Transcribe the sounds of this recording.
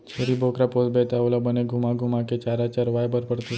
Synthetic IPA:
t͡ɕʰeɾibokɾaposbet̪aʋlabəneɡʱumaɡʱumaket͡ɕaɾat͡ɕaɾʋajbəɾpəɽt̪i

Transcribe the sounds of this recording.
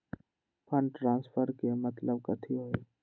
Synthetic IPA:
pʰənʈɾaːnspʰəɾkemət̪ləbkət̪ʰiɦoːeː

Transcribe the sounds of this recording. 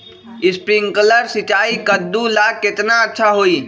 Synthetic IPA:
ispɾiŋɡkələɾsit͡ʃaikəd̪ːulaket̪naətːʃʰaɦoi

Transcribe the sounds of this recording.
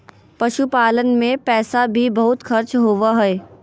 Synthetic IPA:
pɐʃupaːlənmẽpɛːsabʱibɐɦʊt̪xɐɾt͡ʃɦoːʋaɦɛː

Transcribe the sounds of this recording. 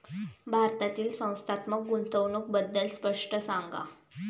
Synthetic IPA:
bʱaɾt̪at̪iːlsə̃w̃st̪ʰat̪mək̚ɡunt̪əwɳuk̚bəd̪ːəlspəʂʈəsaŋɡa̰

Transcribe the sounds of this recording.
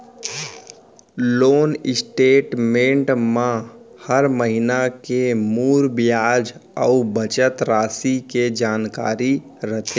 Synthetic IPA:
loːnɪsʈeːʈmẽɳʈmãhəɾməɦɪnakemuːɾbjaːd͡ʒəubət͡ʃət̪ɾaːsiked͡ʒaːnka̰ːɾi | ɾət̪ʰeː

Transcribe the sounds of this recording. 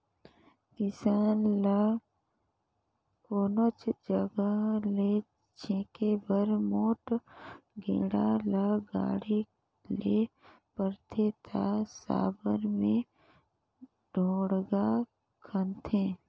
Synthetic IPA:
kɪsaːnla | koːnot͡ʃd͡ʒəɡəle | t͡ʃʰẽːkebəɾmoːʈ | ɡḛːɽalaɡa̰ːɽi | le | pəɾt̪ʰet̪ʰasa̰ːbəɾmẽ | ɖʱoːɽɡa | kʰənt̪ʰẽː

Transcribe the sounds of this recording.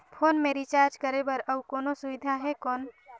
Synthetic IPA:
pʰoːnmeɾit͡ʃaɾd͡ʒkəɾebəɾəbkɔːnosuʋɪd̪ʱaɦɛkɔːn

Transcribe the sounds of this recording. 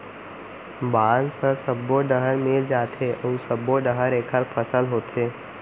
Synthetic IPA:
baːnsəsəbːoɖəɦəɾmeld͡ʒaːt̪ʰeʔəsəbːoɖəɦəɾeːkʰəɾpʰəsəlɦoːt̪ʰeː

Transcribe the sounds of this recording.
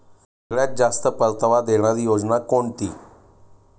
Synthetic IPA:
ekɭjat̪̚d͡zast̪əpəɾt̪əʋad̪eɽ̃aɾijod͡znakoɳt̪iː

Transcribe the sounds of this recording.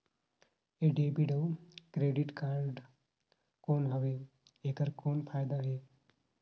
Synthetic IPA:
eɖeːbiɖoːkɾeːɖɪʈkaːɾɖ | koːnɦɐʋeː | eːkəɾkoːnpʰaːjd̪aɦeː

